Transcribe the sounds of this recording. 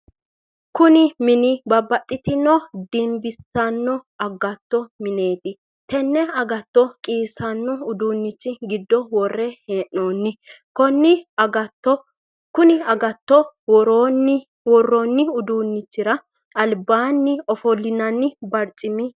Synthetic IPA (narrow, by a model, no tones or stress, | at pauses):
kʊnɪmɪnɪbɐbːɐt̪ʼːɪt̪ɪnɔd̪ɪmbɪsɐnːɔ | ɐɡɐt̪ːɔmɪne̞ːt̪ɪ | t̪ɛnːɛɐɡɐt̪ːɔkʼiːsɐnːɔʊd̪uːnːɪt͡ʃːɪɡɪd̪ːɔwɔrːɛheːʔːoːnːɪ | kɔnːɪɐɡɐt̪ːɔ | kʊnɪɐɡɐt̪ːɔwɔɾoːnːɪ | wɔrːɔnːɪʊd̪uːnːɪt͡ʃːɪɾɐ | ɐlbaːnːɪɔfɔlːɪnɐnːɪbɐɾt͡ʃʼɪmɪ